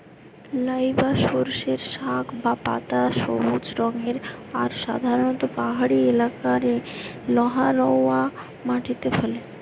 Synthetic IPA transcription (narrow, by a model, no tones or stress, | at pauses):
ləjbaʃoɾʃeɾʃakʰbapa̰t̪aʃo̰mud͡ʑɾɔŋeɾaɾʃa̰d̪ʱaɾonɔt̪opaɦaɽielakaɾelɔɦaɾɔa | maʈʰit̪epʰɛle